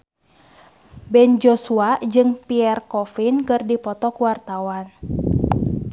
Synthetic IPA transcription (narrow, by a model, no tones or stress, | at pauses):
bɛnd͡ʒosuad͡ʒɨŋpiɛrkɔfinkɨrdipɔt̪ɔkuwart̪awan